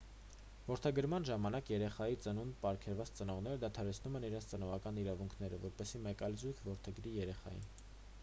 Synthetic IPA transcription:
vɔɾt̪ʰɛɡəɾmɑnʒɑmɑnɑkjɛɾɛχɑjit͡sənunpɑɾkʰɛɾvɑt͡st͡sənɔʁnɛɾəd̪ɑt̪ʰɑɾɛt͡sʰnumɛniɾɛnt͡sʰt͡sənɔʁɑkɑniɾɑvuŋkʰnɛɾəvɔɾpɛsimɛkɑjlzujkʰvɔɾt̪ʰɛɡɾijɛɾɛχɑ̰jḭn

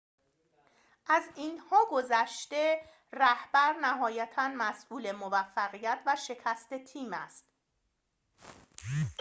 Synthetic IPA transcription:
ʔæzinhɒːɡo̞zæʃt̪e̞ | ræhbæɾnæɦɒːjæt̪ʰænmæsʔuːle̞movæfːæɣijæt̪ʰvæʃe̞cʰæst̪e̞t̪ʰiːmæst̪

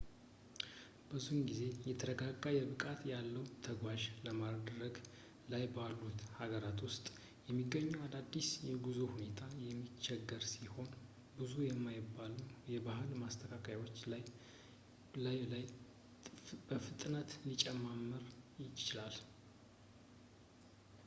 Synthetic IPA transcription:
b̥ɨzunɡize̞jɛt̪ʰəɾəɡaɡːajɛβɨkʼat̪jalːəwt̪ʰəɡʷaʒləmad̪ɾəɡ | lajbalːut̪haɡəɾat̪wʊst̪ʼ | jɛmːiɡːəɲːuwad̪ad̪ːisjɛɡuzuhune̞t̪ʰajɛmːit͡ʃːɛɡːəɾsiho̞n | bɨzujɛmːajɪbːalujɛbahɨlmast̪ʰəkʰakʰajwo̞t͡ʃːaj | lalaj | bəfɨt̪ʼnat̪lit͡ʃʼɛmamːəɾjɪt͡ʃɪlal

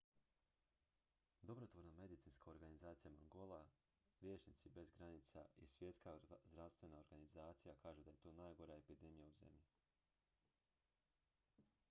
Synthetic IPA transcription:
d̪o̞bɾot̪ʋo̞ɾname̞d̪it̪siːnskaoɾɡanizaːt̪sijamaŋɡo̞lˠa | ʋje̞ːt͡ʃnit̪sibe̞zɡɾanit̪sa̰isʋje̞t̪skazd̪ɾaʋst̪ʋe̞nao̞ɾɡanizaːt̪sijakaːʒud̪aje̞t̪o̞ːnaːjɡo̞ɾae̞pid̪e̞mijauze̞̰mʎi

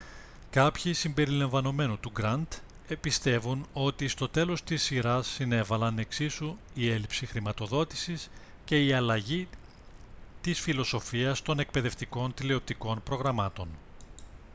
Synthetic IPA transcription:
kɐpçisimbe̞ɾilɐɱvɐno̞me̞nut̪uɡɾɐnt̪ | epist̪e̞vuno̞t̪ist̪o̞t̪e̞lo̞st̪isːiɾɐsːine̞vɐlɐne̞ksisu | ie̞lipsixɾimɐt̪o̞ðo̞t̪i̥sis | ce̞iɐlɐʝi | t̪isfilo̞so̞fiɐst̪o̞ne̞k̚pe̞ðe̞ft̪iko̞nt̪ileo̞p̚t̪iko̞npɾo̞ɣɾɐmɐt̪o̞n

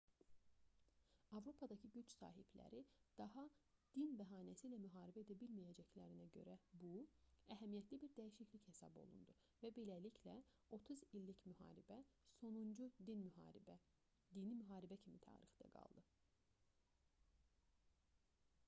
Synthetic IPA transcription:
ɑvɾo̞pʰɑd̪ɑcʰɯɟyt͡ʃsɑ̰ːɦiblæ̰ɾid̪̥ɑɦɑd̪̥inbæɦɑːnæsilæmyɦɑːɾibæe̞d̪æbilmijæd͡ʒæcʰlæɾinæɟø̞̰ɾæbuæɦæmijæt̪ʰlibiɾd̪æjiʃicliche̞sɑ̰bo̞̰lˠṵnd̪u | væbelæliclæ | o̞t̪ʰuzilːicmyhɑ̰ːɾibæso̞nund͡ʒui | d̪inimyɦɑːɾibæcʰimit̪ʰɑ̰ːɾixd̪æ̰ɡɑ̰lˠd̪ɯ

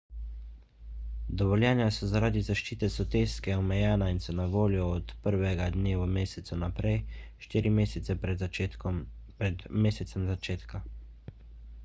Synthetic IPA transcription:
d̪ɔʋɔljɛːnjasɔzaɾaːd̪izaʃt͡ʃiːt̪ɛsɔt̪eːskɛɔmɛjɛːnainsɔnaʋoːljɔːt̪pəɾʋɛɡad̪neːʋɔmeːsɛt̪sunapɾɛjʃt̪iːɾimeːsɛt̪sɛpɛ | ɛd̪meːsɛt̪sɛmzat͡ʃeːt̪ka

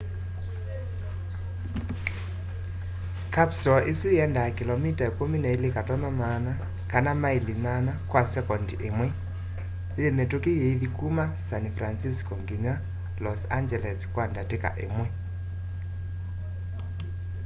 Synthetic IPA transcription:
kapsɔʔesijɛndakilɔmitaekominaelekatɔnɔnana | kanamailinanakwasɛkɔndiʔemwɛ | jemetokejeiðikumasanfransiskɔŋɡiɲa | lɔsa̰nd͡ʒɛlɛskwandateka̰ʔḛmwɛ

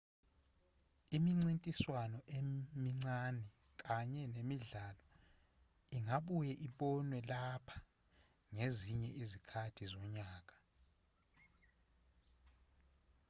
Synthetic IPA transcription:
imiŋ͡ǀintʼiswanɔʔemiŋ͡ǀanɛ | k̬ʼaɲɛnemiɮalɔ | iŋaɓujɛʔiɓɔnwɛlapʰḁ | ŋeziɲɛʔizikʰatʰizɔɲaːk̬ʼḁ

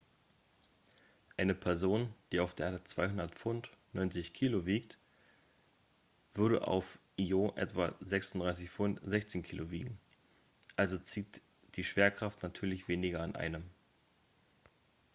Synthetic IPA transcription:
ʔaɪnəpʰɛɐzoːnd̥iːaʊfd̥eːʔt͡sv̥aɪhʊndɐtfʊntnɔʏnt͡sɪçkʰiːloviːkt | v̥ʏɐɾə̰ʔa̰ʊfʔioʔɛ̰tv̥azɛksʊndʁaɪs̬ɪçfʊntz̥ɛçt͡seːnkʰiːlovḭːɡŋ̩ | ʔalzot͡siːt | d̥iːʃv̥eːɐkʁ̥aftnatʰyːɐlɪçv̥eːnɪɡɐanʔa̰ɪnəm

